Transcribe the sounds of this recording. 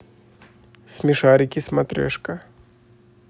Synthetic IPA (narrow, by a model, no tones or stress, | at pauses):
sʲmʲɪʂaɾʲɪkʲismɐt̪ɾʲɛ̰ʂkɐ